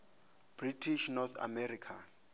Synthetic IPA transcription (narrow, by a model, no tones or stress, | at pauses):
b̥ritʰiʃnɔt̪ʰa̰mɛrikʰa